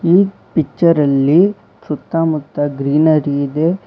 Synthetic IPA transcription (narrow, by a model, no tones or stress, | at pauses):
iː | pit͡ʃːɐɾɐlːi | sɾut̪ːamut̪ːɐɡɾiːnɐɾiːd̪e